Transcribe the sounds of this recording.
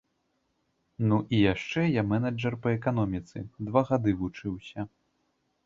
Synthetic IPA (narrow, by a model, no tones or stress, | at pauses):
nuʔijaʂt͡ʂɛjamɛnɐd͡ʐɐrpɐɛkan̪ɔmʲit̪sɨ̰d̪vaɣad̪ɨvut͡ʂɨwsʲɐ